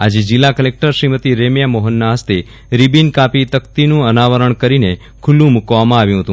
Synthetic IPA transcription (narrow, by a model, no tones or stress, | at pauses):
ad͡ʒed͡ʒɪlːakəlek̚ʈəɾʃɾimət̪iɾemjamoɦənːaɦəst̪e | ɾibinkapit̪əkt̪inũənaʋəɾəɳkəɾine | kʰulːũmukʋamãaʋjũɦət̪ũ